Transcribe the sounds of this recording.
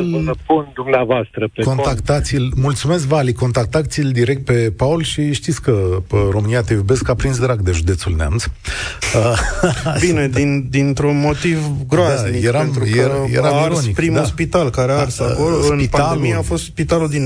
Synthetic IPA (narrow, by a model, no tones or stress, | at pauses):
pund̪umneavoast̪ɾəpeko̞nt̪akt̪at̪silmult̪sume̞s̬kvaliko̞nt̪ak̚t̪at̪sild̪iɾe̞k̚t̪̚pe̞paulʃiʃt̪it̪sʲkəəɾomɨniat̪evobe̞skapɾins̬d̪ɾaɡd̪eʒud̪e̞t̪sulnea̰ms | ə | bine̞d̪ind̪int̪ɾunmo̞t̪ivɡɾoasmiɾaemnt̪ɾujejeɾaviɾlonsnikpɾimuspit̪alkaɾearsakoɾɨnitamiafo̞st̪spit̪alud̪in